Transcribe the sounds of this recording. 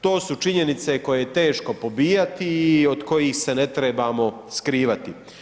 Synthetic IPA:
t̪o̞ːsut͡ʃiɲe̞nit̪se̞ko̞jejet̪e̞ːʃko̞po̞biːjat̪iːo̞d̪ko̞jiːxse̞ne̞t̪ɾebamo̞ | skɾiːʋat̪i

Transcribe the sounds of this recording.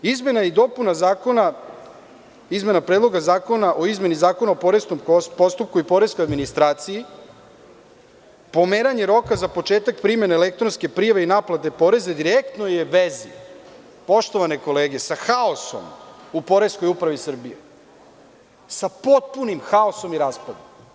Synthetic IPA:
izme̞najid̪o̞punazaːko̞na | izme̞napɾeːd̪lˠo̞ɡazaːko̞naʔo̞izme̞nizaːko̞naopoɾesnompo̞st̪up̚kuipo̞ɾe̞skojad̪minist̪ɾaːt̪siji | po̞meːɾaɲeɾo̞kazapo̞t͡ʃeːt̪ak̚pɾime̞neːlek̚t̪ɾonske̞pɾijaʋeinaːplˠat̪e̞po̞ɾe̞zed̪iɾek̚t̪no̞jeʋezi | po̞ʃt̪o̞ʋane̞ko̞le̞ːɡe̞saxaoso̰mupo̞ɾe̞sko̞jupɾaʋisr̩bije | sapo̞t̪̚punimxaoso̞miɾaːspad̪omm

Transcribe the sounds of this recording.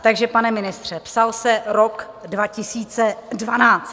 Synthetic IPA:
t̪aɡʒɛpanɛmɪnɪst̪r̝̥ɛpsalsɛɾok | dvacɪsiːt͡sɛdvanaːt͡st̪

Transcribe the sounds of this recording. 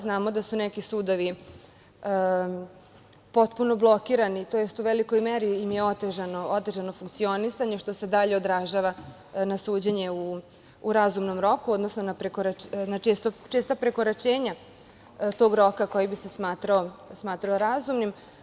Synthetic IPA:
znaːmo̞d̪asunekisuːd̪o̞ʋi | po̞t̪puno̞blˠo̞kiɾanit̪o̞jest̪uʋeliko̞jmeɾiːmjeo̞t̪eʒanoot̪e̞ʒanofuŋk̚t̪sio̞nisaɲe̞ʃt̪o̞se̞d̪aʎe̞o̞d̪ɾaʒaʋa | nasuːd͡ʑeɲe̞uː | ɾazumno̞mɾo̞kuo̞d̪nosno̞napɾekoɾanat͡ʃest̪ot͡ʃest̪apɾe̞koɾat͡ʃeːɲa | t̪o̞ːɡɾo̞kako̞jibisesmaːt̪ɾaosmaːt̪ɾaoɾazumnim

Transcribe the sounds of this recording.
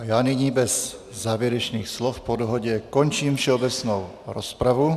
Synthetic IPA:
ajaːniɲiːbɛzː | aːvjɛɾɛt͡ʃniːxslɔfpɔd̪ɔɦɔɟɛkɔnt͡ʃiːmfʃɛɔbɛt͡snɔʊ | ɾɔspɾavu

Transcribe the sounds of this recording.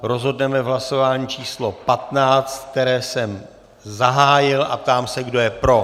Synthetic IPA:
ɾo̞zɦo̞dnɛmɛvɦlaso̞vaːɲiːt͡ʃʰiːslo̞pat̪naːt͡st̪̚k̚t̪ɛɾɛːsɛm | zaɦaːjɪlʔap̚t̪aːmsɛɡdo̞jɛpɾo̞

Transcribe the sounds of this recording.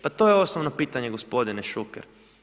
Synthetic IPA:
pat̪o̞jeo̞snoʋnopiːt̪aɲeɡospo̞d̪ineʃukḛɾ

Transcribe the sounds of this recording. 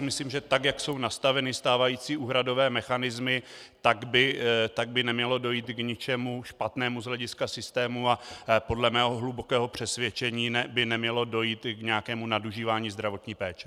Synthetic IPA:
mɪsliːmʒɛt̪akjakso̞wnast̪avɛnɪst̪aːvajiːt͡siːuːɦɾado̞vɛːmɛxanɪzmɪt̪aɡbɪt̪aɡ̚bɪnɛmɲɛlo̞do̞jiːt̪ɡɲɪt͡ʃɛmuʃpat̪nɛːmuzɦlɛɟɪskasɪst̪ɛːmuapo̞dlɛmɛːɦoɦlubo̞kɛːɦo̞pr̝̥ɛsvjɛt͡ʃɛɲiːnɛbɪnɛmɲɛlo̞do̞jiːt̪ɡɲɛjakɛːmunaduʒiːvaːɲiːzd̪ɾavo̞t̪ɲiːpɛːt͡ʃɛ̥

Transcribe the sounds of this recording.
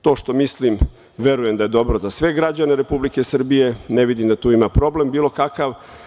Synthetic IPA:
t̪o̞ːʃt̪o̞mislim | ʋe̞ɾuje̞md̪aje̞d̪o̞bɾo̞zasʋe̞ɡɾad͡ʑane̞ɾe̞publike̞sr̩bije̞neʋid̪imd̪at̪uːimapɾo̞ble̞mbiːlo̞kakaʋ

